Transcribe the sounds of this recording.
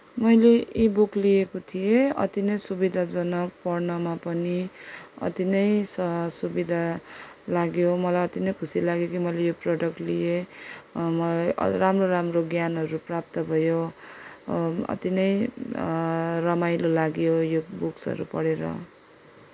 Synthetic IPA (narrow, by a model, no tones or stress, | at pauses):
mʌjleibuklijekot̪ʰijeʌ̰t̪inʌjsubid̪ʱad͡zʌnʌpʌrnʌmapʌniʌ̰t̪inʌjsʌsubid̪ʱalaɡjomʌlajʌt̪inʌjkʰusilaɡjokimʌjlejoprʌɖʌkʈlije | mʌramroɾamroɡjanɦʌɾuprap̚t̪ʌbʱʌjo | ʌ̰t̪inʌj | rʌmajlolaɡjojobuksʌ̰ɾṵpʌɽeɾʌ̰